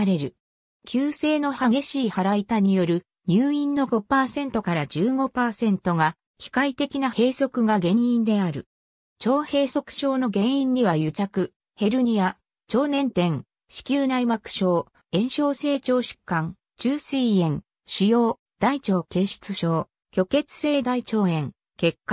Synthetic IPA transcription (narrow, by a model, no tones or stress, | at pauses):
aɾe̞ɾɯ̟ | kʲɨːse̞ːno̞haɡe̞ɕiːhaɾait̪aɲ̟ijo̞ɾɯ̟ | ɲ̟ɨːĩnːo̞ɡo̞paːsẽ̞nt̪o̞kaɾad͡ʑɨːɡo̞paːsẽ̞nt̪o̞ɡa | kʲi̥kait̪e̞kʲinahe̞ːso̞kɯ̟ɡaɡẽ̞ɰĩnd̪e̞aɾɯ̟ | t͡ɕo̞ːhe̞ːso̞kɯ̟̥ɕo̞ːno̞ɡẽ̞ɰ̃ĩɲ̟ːiβajɯ̟t͡ɕakɯ̟ | he̞ɾɯ̟ɲ̟ia | t͡ɕo̞ːnẽ̞nt̪ẽ̞ŋ | ɕi̥kʲɨːnaimakɯ̟̥ɕo̞ː | ẽ̞ɰ̃ɕo̞ːse̞ːt͡ɕo̞ːɕi̥kːãŋ | t͡ɕɨːsɨːẽ̞ŋ | ɕijo̞ː | d̪̥ait͡ɕo̞ːke̞ːɕɨ̥t͡sɨɕo̞ː | kʲo̞ke̞t͡sɨ̥se̞ːd̪ait͡ɕo̞ːẽ̞ŋ | ke̞kːa